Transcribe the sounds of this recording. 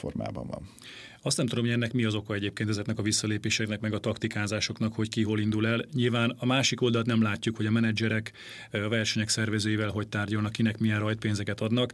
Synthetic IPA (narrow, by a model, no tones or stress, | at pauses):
fo̰rma̰ːbɒ̰ɱvɒ̰n | ɒst̪nɛmt̪ud̪omoɟɛnːɛkmiɒzo̞kɒɛɟeːpkeːnɛzɛknɛkɒvisːɒleːpeːʃɛknɛkmɛɡɒt̪ɒkt̪ikaːzaːʃo̞knɒkho̞ckiɦolind̪ulɛlɲilvaːnɒmaːʃiko̞ld̪ɒlt̪nɛmlaːcːukho̞ɟɒmɛnɛd͡ʒɛɾɛk | ɒvɛrʃɛɲɛksɛrvɛzøːjivɛlɦo̞c̚t̪aːrɟɒlnɒkːinɛkmijɛnrɒjt̪peːnzɛkɛt̪ɒd̪nɒk